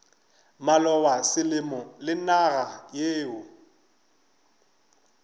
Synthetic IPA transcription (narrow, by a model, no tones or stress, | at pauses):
malɔwasɪlɪmɔlɪnaɣajeːʊ